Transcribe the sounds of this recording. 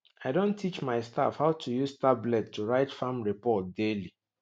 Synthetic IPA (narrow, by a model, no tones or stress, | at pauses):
aɪdõntːit͡ʃmaɪsta̰fhaʊtʰujustablɛtːuɹaɪtfãmɹipɔt̚deli